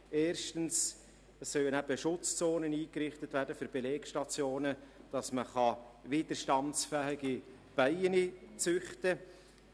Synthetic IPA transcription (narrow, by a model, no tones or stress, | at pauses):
eːɾʃtəns | əsːœwənæb̥əʃʊt͡st͡soːnəniːkɾɪχtətʋæːɾdəfʏɾb̥eleːkʃtɑt͡sjoːnəd̥ɑsməχɑvɪːd̪̥əɾʃtɑnsfæɦɪɡi | b̥æɪənit͡sʏχtə